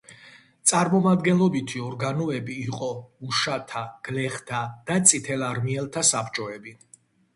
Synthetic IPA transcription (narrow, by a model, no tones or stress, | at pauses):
t̪sʼaɾmɔmad̪ɡɛnlɔbit̪ʰiɔɾɡanɔɛbiːqʼɔuʃat̪ʰaɡ̥lɛχt̪ʰad̪̥at̪sʼit̪ʰɛlaɾmiɛlˠt̪ʰasapʰt͡ʃʼɔɛbi